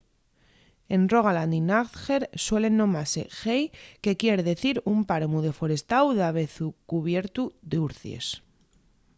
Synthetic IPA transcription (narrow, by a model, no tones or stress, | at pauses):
e̞nro̞ɣ̞aland̪inaθxe̞ɾswe̞le̞nːõ̞mase̞̰xejke̞kje̞ɾðe̞θiɾumpaɾmuð̞e̞fo̞ɾe̞st̪awðaβ̞e̞θukuβje̞ɾt̪ud̪euɾθjḛs